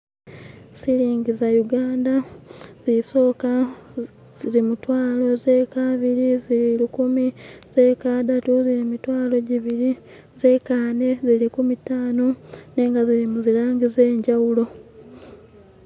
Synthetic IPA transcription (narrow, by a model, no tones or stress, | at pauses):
siɾiːŋɡizajuɡaːndaz̥iso̞ːka | z̥iɾimutwaːlo̞ze̞kaβiɾiziiɾikumize̞kaːdatuziɾimitwaːlo̞ɟiβiɾi | zekaːne̞zilikumitaːnone̞ːŋɡaziɾimuziɾaːɲɡize̞ːɲɟawulo̞